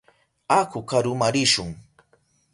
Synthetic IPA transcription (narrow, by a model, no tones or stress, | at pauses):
akʊkaɾʊmaɾɪʃʊŋ